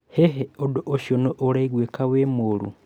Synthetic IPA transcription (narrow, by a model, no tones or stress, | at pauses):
heɦeodoʔoʃonoʔːɾaiɣwekawemoɾṵ